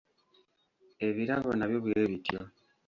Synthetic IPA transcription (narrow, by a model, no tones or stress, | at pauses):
e̞βiɾaβonaβjo̞βweeβitjo